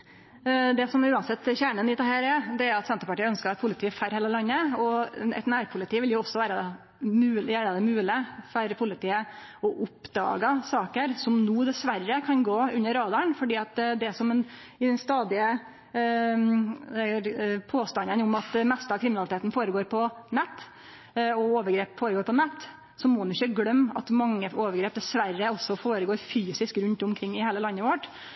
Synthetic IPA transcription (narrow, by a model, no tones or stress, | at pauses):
d̪ɛsɔmæɾʉːɑnsɛt̪ːçæːɳənɪt̪ɑhæːɾɛd̪ɛæɾʊɑt̪sɛnt̪əɾpɑʈiːœnskəɾɑt̪pʰʊlɪt̪iːəfæɾheːləlɑnːəɔɛ̰t̪næːɾpʰʊlɪt̪ʰiːʋɪljʊɔsːɔʋæːɾəd̪ɛ | mʉːlʋæːɾəd̪ɛmʉːlɪfæɾpʰʊlɪt̪ʰiːə | ɔʔʊpd̪ɑ̰ːɡəsɑːkəɾsɔmnuːd̪ɛsʋærːəkʰɑnɡoːʉnːəɾɑːd̪ɑɳfɔɖiːɑt̪d̪ɛsɔmɛn | ɪd̪ɛnst̪ɑːd̪ɪə | pʰoːst̪ɑnːənʊmɑt̪mɛst̪əɑkʰɾɪmɪnɑlɪt̪eːt̪n̩foːɾəɡoːɾpʰɔnɛt̪ː | ɔoːʋəɾɡɾeːpfoːɾəɡoːɾpʰɔnɛt̪ː | sɔmɔʊnɪçəɡɽœmːɑ̰t̪mɑŋːəoːʋəɾɡɾeːp̚d̪ɛsʋærːəɔsːɔfoːɾəɡoːɾfyːsɪskɾʉnt̪ʊmkʰɾɪŋːɪheːləlɑnːəʋɔʈː